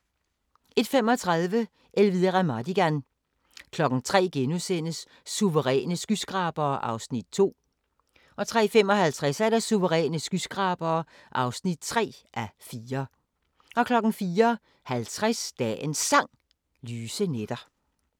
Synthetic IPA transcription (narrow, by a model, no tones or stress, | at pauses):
e̝d̥fem̰ɒ̽t͡sʰʁɑð̞ˠʋə | ʔelʋiðˠɐʁæmɑd̥iɡ̥æn | kʰlɒ̽ɡ̥ŋ̩t͡sʰʁɛ̰ːɡ̥enusen̰əsː | uʋəʁɛ̰ːnəsɡ̥ysɡ̥ʁɑ̈ːb̥ɐːʔɑ̈ʊsnid̥̚t͡sʰo̝̰ː | ʔɒ̽t͡sʰʁɛ̰ːfem̰ɒ̽ɦælt͡sʰʁasæɐɾæsuʋəʁɛ̰ːnəsɡ̥ysɡ̥ʁɑ̈ːb̥ɐː | ʔɑ̈ʊsnid̥̚t͡sʰʁɛ̰ːʔæfiːɐ | ʔɒ̽kʰlɒ̽ɡ̥n̩fiːɐ | hælt͡sʰʁasd̥ɛensɑ̈ŋ̰ | lyːsəned̥ɐ